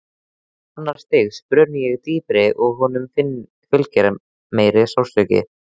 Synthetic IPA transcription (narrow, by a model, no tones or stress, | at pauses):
hanːaɾ̥st̪ɪɣspɾœːnɪjɛɣt̪iːpɾɪʔɔɣɦɔːnʏmfɪnː | fʏlcɛɾ | meːjɾɪsawsœcɪ̰